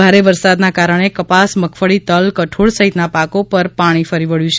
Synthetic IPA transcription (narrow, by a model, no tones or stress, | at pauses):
aɾeʋəɾsad̪nakaɾəɽ̃ekəpasməkʰfəɭit̪əlkəʈʰoɭsəɦit̪napakopəɾpaɽ̃ifəɾiʋəɭjũt͡ʃʰ